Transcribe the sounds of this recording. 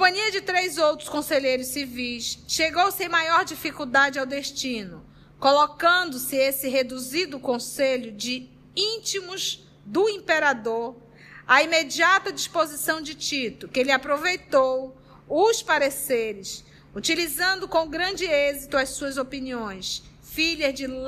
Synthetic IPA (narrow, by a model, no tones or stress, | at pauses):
kõpɐ̃ɲiɐd͡ʒɪt̪ɾejzowt̪ɾʊskõseʎejɾʊssivijsʃeɡowsẽj̃majɔɾd͡ʒifikuwd̪ad͡ʒɪawd̪eʃt͡ʃĩnʊ | kolokɐ̃nd̪ʊsɪesɪɦed̪uzid̪ʊkõseʎʊd͡ʒɪ | ĩt͡ʃimʊz | d̪ʊĩmpeɾad̪oɾ | aimed͡ʒiat̪ɐd͡ʒispozisɐ̃w̃d͡ʒɪt͡ʃit̪ʊkɪelɪapɾovejt̪ow | ʊspaɾeseɾɪs | ut͡ʃilizɐ̃nd̪ʊkõɡɾɐ̃d͡ʒɪezit̪ʊɐsuɐzopiniõj̃s | fiʎɐzd͡ʒɪ